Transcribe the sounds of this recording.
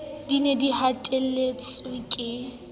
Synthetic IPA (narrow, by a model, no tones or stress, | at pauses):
dinedihatʼelet͡sʼɪkʼɪ